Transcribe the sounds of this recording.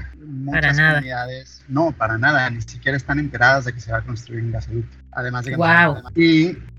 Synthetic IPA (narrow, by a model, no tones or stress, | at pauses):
mũat͡ʃasnaðniðaðe̞s | no̞paɾanaðanisikje̞ɾaest̪ane̞nt̪e̞ɾaðazðe̞ke̞se̞βako̞nst̪ɾuiɾeŋɡasalut̪ | a̰ðe̞mazðekawawai